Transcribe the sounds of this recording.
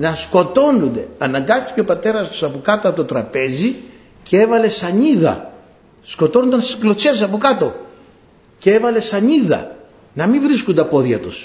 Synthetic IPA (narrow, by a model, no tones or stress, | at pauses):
nɐsko̞t̪o̞nund̪e̞̰ɐnɐŋɡɐst̪i̥ce̞opɐt̪e̞ɾɐst̪u̥sɐpokɐt̪oɐt̪ot̪ɾɐpe̞zi | cee̞vɐle̞sɐɲiðɐ̰ | sko̞t̪o̞nund̪ɐnst̪i̥sklo̞t͡sessɐpokɐt̪o̞ | cee̞vɐle̞sɐɲiðɐ̰ | nɐmivɾiskund̪ɐpo̞ðʝɐt̪us